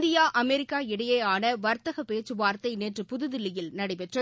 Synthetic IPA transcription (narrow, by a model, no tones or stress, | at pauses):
d̪ɪjaːʔɐmɛɾɪkːaːɪɽɐjeːaːnɐʋɐɾt̪ɐɣɐpeːt͡ʃːɯʋaːɾt̪ɐɪneːʈrɯpʊðɯðɪlɪjɪlnɐɽɐɪpɛʈrɐ